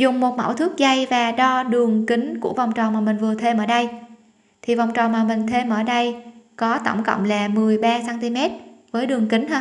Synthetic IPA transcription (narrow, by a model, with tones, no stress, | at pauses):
zʊ˨˩ŋ͡mmo˨˩t̚mə̰˧˩wt̪ʰɨ˦˥ək̚za˧jvaː˨˩ɗɔ˧ɗɨ˨˩əŋkï˨˦ŋku˧˩əva˨˩wŋ͡mt͡ɕɔ˨˩maː˨˩mï˨˩ŋ̟vɨ˨˩ət̪ʰe˧mʔəː˧˩ɗə˧j | t̪ʰi˨˩va˨˩wŋ͡mt͡ɕɔ˨˩maː˨˩mï˨˩ŋ̟t̪ʰe˧mʔəː˧˩ɗə˧jkɔ˨˦t̪ə̰˧˩wŋ͡mkə̰˧˨wŋ͡mlaː˨˩mɨ˨˩əjɓaː˧saː˧nt̪i˧mɛ˦˥t̚vəː˨˦jɗɨ˨˩əŋkï˨˦ŋ̟hə˧